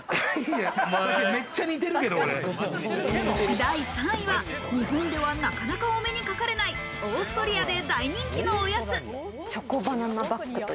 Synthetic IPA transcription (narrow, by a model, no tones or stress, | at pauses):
amat̪aɕiame̞t͡ɕːaɲit̪̬e̞ɾɯ̟ke̞d̪ooɾe | id̪aisãɰ̃ĩβa | ɲ̟iɦõnd̪e̞βanakanakaome̞ɲ̟ikakaɾe̞nai | oːsɨ̥t̪oɾʲiad̪e̞d̪aiɲ̟ĩŋkʲino̞ːjat͡sɨ | t͡ɕokobananabakːɯ